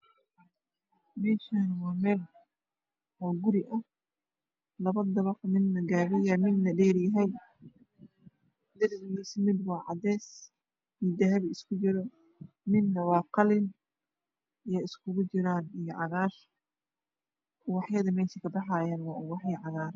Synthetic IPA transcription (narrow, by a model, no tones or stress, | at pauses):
mɛːʃaːnwɑːmɛːl | hɔɡʊɾɪʔɐh | lɐβɐd̪ɐβɑqmɪd̪nɐɡaːβɪjɐmɪd̪nɐɖɛːɾjɐɦɛj | d̪ɐɾdɣiːsmɪd̪wɑːʕɑ̰d̪ɛːs | id̪ɐɦɐβɪskʰʊt͡ʃɪɾɔ | mɪd̪nɐwɑːqɑlɪn | ijɐɪskʰʊɣʊt͡ʃɪɾaːnijɞʕɑɣaːr | wɑħjɐðɐmɛːʃɪkʰɐbɑħaːjaːnwɑːʊwɑħjɐʕɑðaːɾ